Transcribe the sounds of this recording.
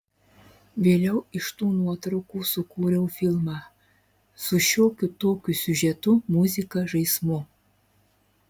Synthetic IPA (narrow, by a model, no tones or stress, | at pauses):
ʋʲeːlʲɛʊɪʃt̪uːnuɔt̪ɾɐʊkuːsʊkuːɾʲɛʊfʲilˠmɑː | sʊʃʲoːkʲʊt̪oːkʲʊsʲʊʒʲɛt̪ʊmuzʲɪkɐʒɐɪsmu